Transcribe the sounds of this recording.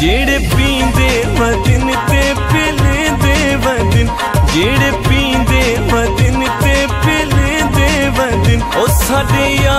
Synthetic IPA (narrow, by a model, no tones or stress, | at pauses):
d͡ʒeːɽeːpĩːd̪eː | ʋə̃d̪ɪn | t̪e | peːled̪eːʋə̃d̪ɪn | d͡ʒeːɽeːpĩːd̪e | ʋə̃d̪ɪn | t̪epeːld̪eʋə̃d̪ɪnosaːɖejaː